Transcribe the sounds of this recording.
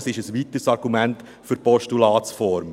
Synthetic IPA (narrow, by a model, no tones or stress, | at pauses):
sɪʃəsʋitəsɑɾɡumɛnt | fyɾpɔʃtulɑːt͡ssfɔɾm